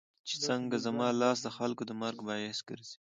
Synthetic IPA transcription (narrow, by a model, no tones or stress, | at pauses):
t͡ʃe̥t͡səŋɡazamɑːlɑsd̪əxalkod̪əmaɾɡbɑjesɡə̰ɾzi̥